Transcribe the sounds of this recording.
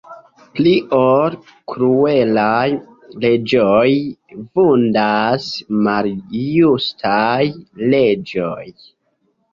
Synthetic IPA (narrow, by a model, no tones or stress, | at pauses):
pliʔol | kɾuelaj | le̞d͡ʒojvundasmaljustʰajle̞d͡ʒoj